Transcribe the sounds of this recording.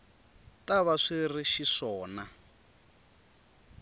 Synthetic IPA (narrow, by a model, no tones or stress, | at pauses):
taβaʂiriʃiʂɔːna